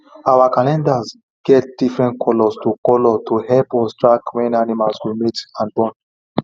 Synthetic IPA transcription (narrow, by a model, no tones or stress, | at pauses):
awakalɛ̃ndaz | ɡ̥ɛt̚d̥ifɹɛ̃ntkʰɔlɔstukɔlɔtʰuhɛlpɔstɹakwɛ̃nanimalswimitãnbɔ̃n